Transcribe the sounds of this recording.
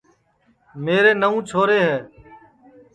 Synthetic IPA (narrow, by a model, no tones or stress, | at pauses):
meːɾeːnəũːt͡ʃʰoːɾeːɦɛː